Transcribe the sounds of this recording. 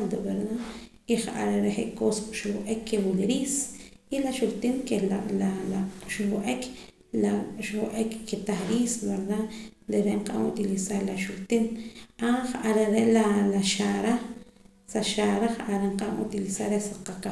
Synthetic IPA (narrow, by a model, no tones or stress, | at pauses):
ad̪uɓeɾd̪a | iχaʔa̰ɾeɾeχeʔkosʃuwuʔekʰːewulɾisilaʃult̪inkelalalaʃuwuʔekʰ | laʃwʔekkːet̪aχɾiːsbeɾðaʔ | ɾeɾeɴqaa̰mut̪ilisaɾlaʃult̪inaχaʔaɾeɾeʔlalaʃaɾa | saʃaɾaχʔaɾeɴqamṵt̪ilisaɾesaqaka